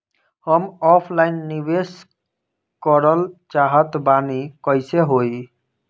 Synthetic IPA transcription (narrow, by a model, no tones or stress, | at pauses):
hɔmɔpʰlajnːibes | kɔɾɔlt͡ʃaɦat̪banikɔjseɦoj